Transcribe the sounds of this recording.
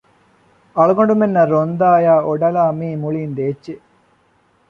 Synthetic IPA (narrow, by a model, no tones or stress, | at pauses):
ɐɭuɡoɳɖumenːɐɾond̪aːjaːʔoɖɐlaːmiːmuɭiːnd̪eːt͡ʃːe